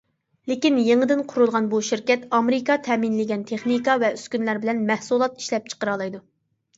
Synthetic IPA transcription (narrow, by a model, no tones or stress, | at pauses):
lɪkʲinjeŋəd̪ɪnqʰʊɾulˠʁɑnbuʃiɾkʲɛt̪ɑmeɾɪkɑt̪ʰɛːminlɪɡʲɛnt̪ʰeχnikɑvɛyskʲynlæɾbɪlɛnmɛhsulˠɑt̪i̥ʃlɛp̚t͡ʃʰə̥qəɾɑlˠɑjd̪u